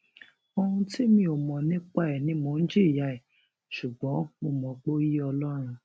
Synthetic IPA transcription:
o˧ɾũ˧ti˦mĩ˧o˨mɔ̃˨nĩ˦k͡pa˦ɛ˨nĩ˨˦mo˧˨n̩˦d͡ʒi˦˨ja˧˨e˨ | ʃu˨ɡ͡bɔ̃˨˦mo˧mɔ̃˨k͡po˦ji˦ɔ˧lɔ˦ɾ̃ũ˧

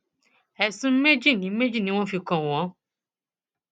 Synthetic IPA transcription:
ɛ˨sũ˨˦me˦d͡ʒi˦˨nĩ˨˦me˦d͡ʒi˦˨nĩ˦w̃ɔ̃˦fi˧kɔ̃˨w̃ɔ̃˨˦

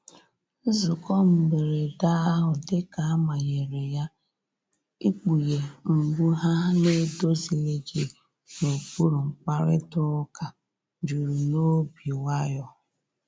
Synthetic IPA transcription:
n̩˦zʊ˨kɔ˦m̩˨me˨ɾe˨da˦a˦ɦʊ˨de˦ka˨a˦ma˨ɣe˨ɾe˨ja˦ | i˦k͡pu˨je˨ŋ͡m̩˨ɡ͡bu˦ɦa˦ne˦do˦zi˨le˦d͡ʒe˨ | no˨pu˦ɾu˨ŋ͡m̩˨k͡pa˦ɾɪ̰˦tʊ˦ka˨ | d͡ʒu˨ɾu˨no˦bi˨wa˦jɔ˨

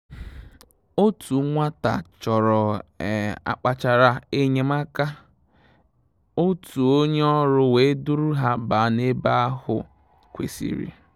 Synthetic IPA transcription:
o˦tu˨ŋʷa˦ta̰˨t͡ʃɔ˨ɾɔ˨ | a̰˨k͡pa˨t͡ʃa˨ɾa˨e˦ɲe˨ma˦ka˦ | o˦tu˨o˦ɲ˦ɔ˦ɾʊ˦we˨˦du˦ɾu˦ɦa˦ba˨ne˦ba˦a˦hʊ̰˨ | kʷḛ˨sḭ˨ɾḭ˨

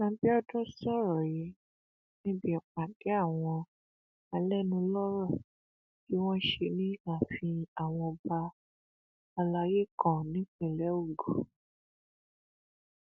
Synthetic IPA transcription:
nã˧˦bi˦ɔ˦dɔ̃˦sɔ˦ɾɔ˨jɛ˨˦ | nĩ˦bi˦ɛ˨k͡pa˨dɛ˨˦a˦˨w̃ɔ̃˧ | a˧lɛ˦nũ˧˦lɔ˦ɾɔ˦˨ | ki˦w̃ɔ̃˦ʃe˧nĩ˦ã˦˨fĩ˧a˨w̃ɔ̃˧ɔ˧ba˧ | ɔ˧la˧je˦kɔ̃˦˨nĩ˨˦k͡pĩ˦˨lɛ˨˦o˦˨ɡo˨

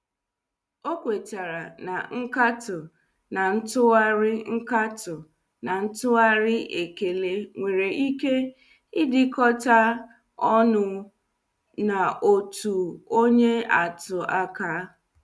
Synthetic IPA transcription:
o˦kʷe˨ta˨ɾa˨na˨ŋ̩˦ka˦tʊ˨ | na˨n̩˦tʊ˦a˦ɾɪ˦ŋ̩˦ka˦tʊ˨ | na˨n̩˦tʊ˦a˦ɾɪ˦ʔe˨ke˨le˦ŋʷe˨ɾe˨ʔi˦ke˦ | ɪ˦dɪ˦kɔ˦ta˦ | ɔ˦nʊ˨ | na˨o˨tu˨o˦ɲe˦a˨tʊ˨a˦ka˦

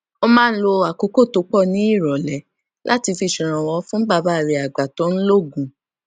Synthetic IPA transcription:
o˧mãː˦n̩˦lo˧a˨ko˨˧˦ko˦˨to˨˦k͡pɔ˦˨nĩ˨˦i˦˨ɾɔ˨lɛ˨ | lʔa̰˦ti˧fi˧˨ʃĩ˨ɾ̃ã˨wɔ˨˦fũ˦ba˦˧˨ba˦˨ɾe˧˦a˨ɡ͡ba˨tɔ̃˨˦n̩˦lo˦˨ɡũ˨

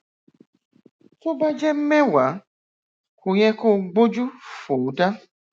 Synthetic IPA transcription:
to˦ba˦d͡ʒɛ˦m̩˦mɛ̃˦wa˨˦ | ko˨ɲɛ̃˦ko˦ɡ͡bo˦d͡ʒu˦fo˨˦da˦

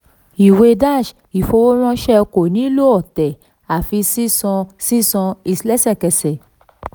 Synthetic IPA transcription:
i˨we˧da˦˨ʃ | i˨fo˧wo˦w̃ɔ̃˦ʃɛ˦˧ko˨nĩ˦lo˦ɔ˦˨tɛ˨ | a˨fi˧si˦sɔ̃˧si˦sɔ̃˧i˧slɛ˦sɛ˦˨kɛ˧sɛ˨

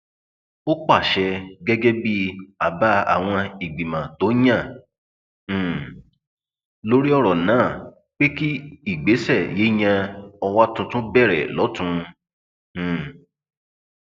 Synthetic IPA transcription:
o˦k͡pa˦˨ʃɛ˧ɡɛ˦ɡɛ˦bi˦a˨ba˦a̰˦˨w̃ɔ̃˧i˨ɡ͡bi˨mã˨to˨˦j̃ã˦˨ | lo˦ɾi˦ɔ˧ɾɔ˨nãː˨˦˨ | k͡pe˦ki˦i˦˨ɡ͡be˨˦sɛ˦˨je˨˦ɲ̃ã˧ɔ˧wa˦tũ˧tũ˦bɛ˦˨ɾɛ̰˨lɔ˨˦tũ˧˨

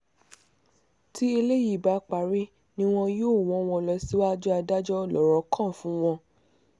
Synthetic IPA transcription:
ti˦e˧le˦ji˦˨ba˨˧k͡pa˨ɾi˦ | nĩ˦w̃ɔ̃˧jo˦˨w̃ɔ̃˨˧˦w̃ɔ̃˧lɔ˧si˦wa˦d͡ʒɔ˦a˧da˦d͡ʒɔ˦˨lɔ˨ɾɔ˨˦kʰã˦˨fũ˨˦w̃ɔ̃˧

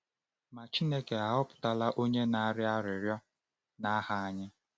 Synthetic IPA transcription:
ma˨t͡ʃi˦ne˦ke˨a˨ʊ˦pʊ̥˨ta˦la˦ʔo˦ɲe˦na˦ɾɪ˦a˦ɾɪ˨ɾjɔ˦ | na˦ha˦a˦ɲɪ˦

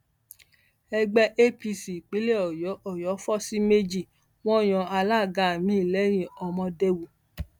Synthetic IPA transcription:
ɛ˧ɡ͡bɛ˧ʔe˦pi˧si˨k͡pi˨˦le˦ɔ˨jɔ˨˦ʔɔ˨jɔ˨˦fɔ˦si˦me˦d͡ʒi˦˨ | w̃ɔ̃˦˨j̃ɔ̃˧a˧la˦˨ɡa˨mĩ˨˦i˦˨lɛ˨˦ɾ̃ĩ˧ɔ˧mɔ̃˧de˧wu˨

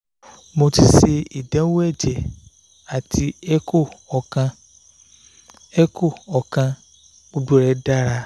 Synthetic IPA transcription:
mo˧ti˧se˧i˨dã˨˦wɛ˦˨d͡ʒɛ˨ | a˨tʰi˧˦ɛ˦ko˦˨ɔ˨kã˧ | ɛ˦ko˦˨ɔ˨kã˧ | k͡po˧du˦ɾɛ˨˦da˦ɾa˧

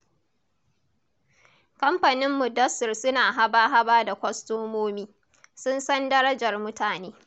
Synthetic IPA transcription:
kɐ˦mɸa˨nɪ˦mːʊ˨dɐ˦sɪ˨rsʊ˦naː˨ɦa˦baː˦ɦa˦baː˦da˨kʷɐ˦stoː˦moː˦miː˦ | sʊ˦nsɐ˦ndɐ˦ɾɐ˦d͡ʒɐ˨rmʊ˦taː˨neː˦

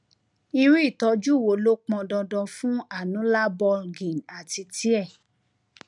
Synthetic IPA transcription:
i˧ɾi˦i˦˨tɔ˧˦d͡ʒu˦˨wo˨lo˦k͡pɔ̃˧dɔ̃˧dɔ̃˧fũ˦a˦˨nũ˨˦la˦bɔ˧ɡĩ˨na˨ti˧ti˨˦ɛ˦˨

